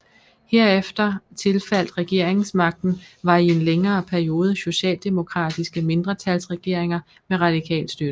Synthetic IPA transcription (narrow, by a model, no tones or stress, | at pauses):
heɐ̰efd̥ɐt͡sʰe̝lfæl̰d̥ʁɛɡ̥e̝ɐ̰e̝ŋŋ̩smɑ̈ɡ̥̚d̥n̩ʋɑ̈ie̝nleŋɐːpʰæɐio̝ːð̞ˠəso̝ɕɛ̰ːld̥e̝mo̝kʰʁɑ̰̈ːd̥isɡ̥əme̝nd̥ʁɐt͡sʰælsʁɛɡ̥e̝ɐ̰eŋɐ | meʁɑ̈d̥ikʰɛ̰ːl̥sd̥ød̥